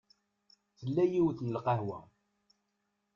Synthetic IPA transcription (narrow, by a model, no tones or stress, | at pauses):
θəlːæjiwθnəlqɑɦwæ̰